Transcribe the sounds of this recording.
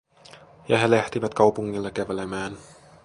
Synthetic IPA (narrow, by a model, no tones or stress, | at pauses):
jɑɦe̞læht̪iʋæt̪kɑwpuŋːilːɑkæʋelemæːn